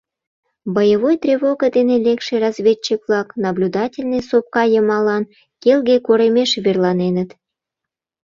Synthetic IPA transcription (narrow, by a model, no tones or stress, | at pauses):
bəjəβojt̪rʲeβoɡəd̪enelekʃerɑzvʲett͡ɕikβlɑknɑblʲud̪ɑtʲelʲnɨjsop̚kɑjəmɑlɑn | kelɣekoɾemeʃβerlɑnenət̪